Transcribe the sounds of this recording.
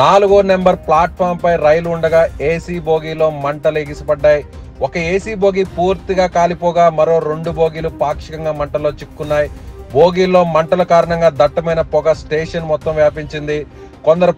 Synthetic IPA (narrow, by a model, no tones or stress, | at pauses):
naːluɡoːne̞mbɐɾplaːʈ̚pʰaːɾmpɐjɾɐjɐluɳɖɐɡaːeːsiːboːɡiːlo̞ːmɐɳʈɐleɡisibɐɖːaːji | wɔkɐeːsiːbo̞ːɡiːpuːɾt̪iɡaːkaːlipɔːɡaːmɐɾo̞ːɾeɳɖubo̞ːɡiːlupaːkʂikɐŋɡaːmɐɳʈɐlo̞ːt͡ʃikːunːaːjiboːɡiːlːo̞ːmɐɳʈɐlɐkaːɾɐɳɐŋɡaːd̪ɐʈːɐmɐjnɐpɔɡɐsʈeːʂɐnmɔt̪ːɐmʋjaːpiɲt͡ʃind̪i | kond̪ɐɾu